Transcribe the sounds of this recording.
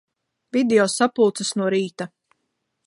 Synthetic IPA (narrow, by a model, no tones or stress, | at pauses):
vid̪eɔsapulˠt̪sɐsnuɔɾiːt̪a